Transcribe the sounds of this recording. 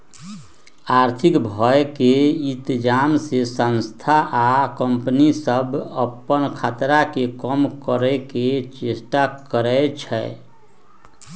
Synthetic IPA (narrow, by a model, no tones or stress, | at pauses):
aɾt̪ʰikbʱɔekeint̪id͡ʒamsesə̃nst̪ʰaʔakəmpənisəbʱəpːənkʰat̪ɾakekəmkəɾɛket͡ʃesʈakəɾɛt͡ʃʰɛ̰